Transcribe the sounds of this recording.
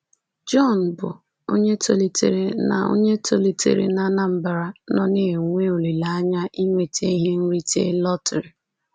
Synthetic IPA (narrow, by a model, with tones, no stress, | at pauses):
d͡ʒɔ˦˨n̩˨bʊ̰˨ | o̰˦ɲe˦to˨li˨tḛ˨ɾe˨na̰˨o̰˦ɲe˦to˦li˨tḛ˨ɾḛ˨na˦na˦m̩˨ba˨ɾa˦nɔ˦ne˦˨ŋʷe˦o˨li˨la˨a˦ɲa˦ʔi˦ŋʷe˦te˦i˦ɦe˦n̩˦ɾi˦tḛ˦lɔ˦tɾi˨